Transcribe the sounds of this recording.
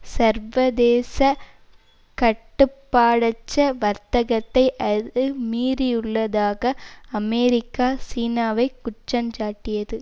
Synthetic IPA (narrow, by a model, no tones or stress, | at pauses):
sɐɾʋɐðeːsɐ | kɐʈːɯpːaːɽɐt͡ʃːɐʋɐɾt̪ɐɣɐt̪ːɐɪʔɐɯmiːɾɪjʊɭːɐðaːɣɐɐmɛːɾɪkːaːsiːnaːʋɐɪkʊt͡ʃːɐnd͡ʒaːʈːɪjɐðɯ